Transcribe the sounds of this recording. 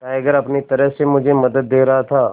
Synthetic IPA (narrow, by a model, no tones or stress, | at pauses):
kaːɐɡəɾɐpnit̪ɐɾəɦsemʊd͡ʒʱemɐd̪əd̪ːeːɾɐɦat̪ʰaː